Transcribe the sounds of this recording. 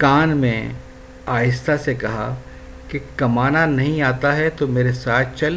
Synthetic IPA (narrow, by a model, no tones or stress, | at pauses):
kaːnmḛ̃ | aːjɪst̪ʰasekɐɦa̰ | kekɐmaːnanɐɦĩaːt̪aɦɛt̪omeːɾesaːt̪̚ʰt͡ʃɐl